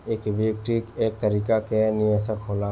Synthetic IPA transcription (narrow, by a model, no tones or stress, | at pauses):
eːkʋek̚ʈikeːk̚t̪ɐɾiːkakenɪjeːsəkɦoːla